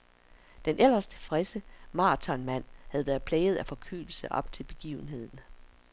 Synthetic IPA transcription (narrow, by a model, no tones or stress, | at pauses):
d̥enʔel̰ɐst͡sʰe̝fʁɛsəmɑ̈ːt͡sʰɒ̽nmæn̰hæð̞̩ˠʋæːɐð̩ˠpʰlɛːɪð̩ˠæfɒ̽kʰy̰ːl̩səʔɒ̽b̥t͡sʰe̝lb̥e̝ɡ̥iːʊn̩ɦe̝ð̞̰ˠn̩